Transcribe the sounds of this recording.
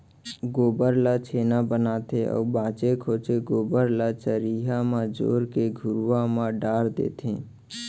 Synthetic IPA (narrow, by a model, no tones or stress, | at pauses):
ɡoːbəɾlat͡ʃʰeːnabənaːt̪ʰeɔ̰ːbãːt͡ʃekʰoːt͡ʃeɡoːbəɾlat͡ʃəɾiːɦãmãd͡ʒo̰ːɾkeɡʱʊɾʋãmãɖaːɾd̪ḛːt̪ʰẽː